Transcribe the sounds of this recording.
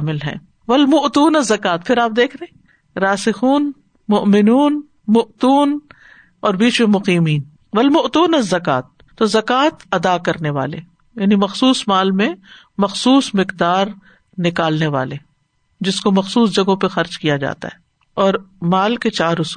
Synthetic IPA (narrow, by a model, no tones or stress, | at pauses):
mɪlɦɛ̰̃ː | ʋɐlmʊʔt̪uːnɐzːɐkaːt̪pʰɪɾaːp̚d̪eːkʰɾɐɦẽ | ɾaːsɪxuːn | mʊʔmɪnuːn | mʊʔt̪uːn | ɔːɾbiːt͡ʃmẽmʊqiːmiːn | ʋɐlmʊʔt̪uːnɐzːɐkaːt̪̚ːozɐkaːt̪ɐd̪akɐɾneʋa̰ːlḛ | jaːnimɐxsuːsmaːlmẽ | mɐxsuːsmɪqd̪aːɾ | nɪkaːlneʋa̰ːle | d͡ʒɪskomɐxsuːsd͡ʒɐɡõpɐxɐɾd͡ʒkijad͡ʒa̰ːt̪a̰ɦɛː | ɔːɾmaːlket͡ʃaːɾʊs